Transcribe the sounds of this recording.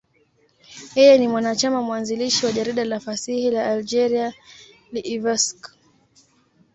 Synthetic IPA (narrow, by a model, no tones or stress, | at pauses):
jɛjɛnimwanat͡ʃamamwanziliʃiwaʄaɾiɗalafasihilaːld͡ʒɛɾia | liʔːvɛsk